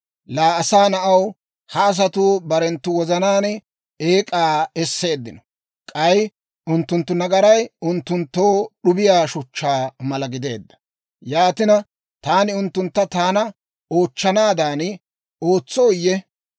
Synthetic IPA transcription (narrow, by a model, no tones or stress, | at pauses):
laːɐsaːnɐʔɐw | hɐːs̬ɐt̪uːbɐɾɛnt̪ːʊwɔzɐnaːnɛ | eːkʼaːɛsːe̞ːd̪ːɪnɔ̥ | kʼɐj | ʊnt̪ːʊnt̪ːʊnɐɡɐɾɐjʊnt̪ːʊnt̪ːo̞ːɗʊbɪjaːʃʊt͡ʃːaːmɐlɐɡɪd̪e̞̰ːd̪ːɐ̥ | jaːt̪ɪnɐ | t̪aːnɪʊnt̪ːʊnt̪ːɐt̪aːnɐ | o̞ːt͡ʃːɐnaːd̪aːn | o̞ːt͡sːoːjːɛ